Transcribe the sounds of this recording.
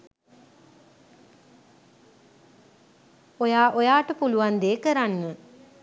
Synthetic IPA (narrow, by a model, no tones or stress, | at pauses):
ojaːʔojaːʈəpuluʋand̪eːkəɾanːə